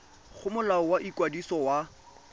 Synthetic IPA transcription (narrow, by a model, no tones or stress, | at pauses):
χʊmʊlaɔwaʔikwadisɔwa